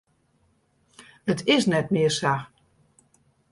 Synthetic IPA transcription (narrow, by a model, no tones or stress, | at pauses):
ətʰɪsnɛtmɪəsa